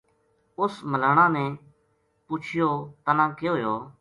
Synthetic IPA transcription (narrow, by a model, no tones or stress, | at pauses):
ʊsməlaːɳãːnẽː | pʊt͡ʃʰɪjoːt̪ənãːkɪjoːɦjoː